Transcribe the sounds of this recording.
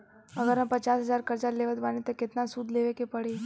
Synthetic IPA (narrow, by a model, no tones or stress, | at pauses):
əɡəɾnapət͡ʃaːsɦəzaːɾkəɾd͡ʒaɾleːʋət̪ʋaːnit̪ɔkɪt̪nasuːd̪ʱleːʋekepəɽeː